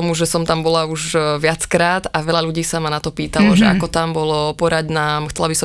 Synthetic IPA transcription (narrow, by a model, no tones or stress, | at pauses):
ɔmuʒɛsɔmt̪ambɔlauʒʋɪat͡skɾaːd̪aʋɛʎaʎuɟiːsamanat̪ɔpiːt̪alɔʒɛa̰kɔt̪ambɔlɔpɔɾaɟnaːmxt͡sɛlabisɔ